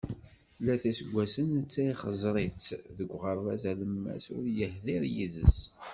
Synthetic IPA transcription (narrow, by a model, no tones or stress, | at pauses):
θlːæθæsəɡʷːæsənt͡sːæiχəzˤɾˤit͡sːðəɡʷːʁəɾˤvæzæləmːæ̰sʊɾjəhðiɾjiðə̰s